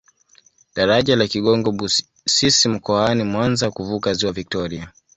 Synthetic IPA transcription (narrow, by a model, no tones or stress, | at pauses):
ɗaɾaʄalakiɠɔŋɡɔu | sisim̩kɔanimwanzakuvukaziwavik̚tɔɾia